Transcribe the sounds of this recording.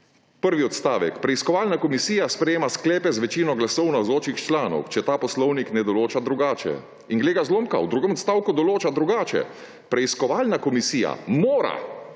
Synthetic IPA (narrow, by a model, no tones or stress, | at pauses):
pəɾʋiɔt̪st̪aːʋɛ̰kpɾɛiskɔʋaːlnakɔmisiːjaspɾɛjeːmasklɛːpɛzʋɛt͡ʃiːnɔɡlasɔwnazoːt͡ʃixt͡ʃlaːnɔ̰wt͡ʃɛt̪aːpɔslɔwniknɛd̪ɔloːt͡ʃad̪ɾuɡaːt͡ʃɛ̰ | iŋɡleːɡazloːmka̰wd̪ɾuːɡɛmɔt̪st̪aːwkud̪ɔloːt͡ʃad̪ɾuɡaːt͡ʃɛ̰ | pɾɛiskɔʋaːlnakɔmisiːja̰moːɾa̰